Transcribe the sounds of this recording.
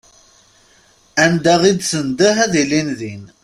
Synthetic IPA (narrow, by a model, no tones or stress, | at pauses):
ænd̪æʁid̪sənd̪əɦæðilinðin